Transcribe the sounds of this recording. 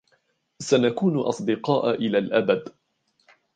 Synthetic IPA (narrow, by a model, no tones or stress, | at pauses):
sanakuːnʔɑ̰sˤd̪ɪqɑːʔʔɪlaːlʔabad̪